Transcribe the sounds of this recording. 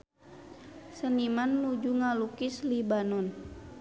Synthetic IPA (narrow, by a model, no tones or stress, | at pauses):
sənimanmud͡ʒuŋalukislibanun